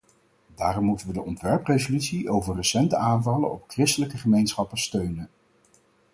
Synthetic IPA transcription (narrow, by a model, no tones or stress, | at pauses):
daːrɔmːutənʋədəɔntʋɛɹprejzolytsiʔowvəɹrəsɛntəaːnvɑlənɔpkrɪstələkəχəmejnsχɑpəstøɥnən